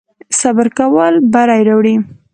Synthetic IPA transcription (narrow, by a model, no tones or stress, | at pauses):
sabaɾkawəlbaɾajɾawɽi